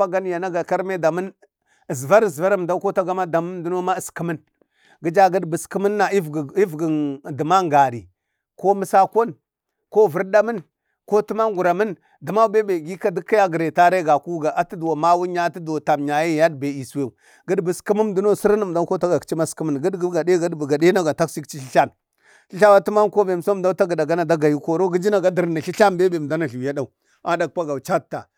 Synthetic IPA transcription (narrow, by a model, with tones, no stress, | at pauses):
a˦ɡa˦n˦ja˨na˦ɡa˨ka˦ɾme˦da˨mə˦n | ə˨zva˦ɾə˨zva˦ɾə˦m˨da˦ko˦ta˦ɡa˦ma˦da˨mə˦m˦du˦no˦ma˦ə˨skə˦mə˦n | ɡə˦d͡ʒa˦ɡə˦dbə˨ski˦mə˦nːa˨i˦˨i˦vɡi˨də˨ma˦ŋɡa˨ɾḭ˨ | ko˦mə˦sa˦ko˦n | ko˦vu˦ɾda˦mə˦n | ko˦ti˦ma˦ŋɡu˨ɾa˨mə˦n | di˨ma˦be˦be˨ɡi˦ka˦di˦kːa˦ja˦ɡə˨ɾe˨ta˦ɾe˦ɡa˨ku˦ɡa˨ʔa˨ti˦du˨wa˨ma˦wu˦ɲa˦ti˦da˨ta˨mɲa˨ja˦˨ja˦dbe˨i˨swe˦˨u˨ | ɡə˦dbə˨ski˦mə˦mdu˦no˦si˦ɾnə˨m˨da˦ko˦ta˦ɡa˨kt͡ʃi˦ma˦ski˦mə˦nɡə˦dɡɡa˨de˦ɡa˦dbə˨ɡa˨de˦na˦ɡa˨ta˦ksi˦kt͡ʃi˦ɬi˦ɬa˦n | ɬi˦ɬa˦wa˦tu˦ma˦nko˦be˨m˨so˦˨da˦ta˦ɡə˨da˨ɡa˦na˨da˦ɡa˨ju˨ko˨ɾo˦ɡi˦d͡ʒi˦na˨ɡa˦di˨ɾna˨ɬi˦ɬa˦mbe˦be˨m˨da˦na˨ɬu˨wja˦da˨u˨ | a˦da˨k̚pa˦ɡa˨u˨t͡ʃa˦ta˨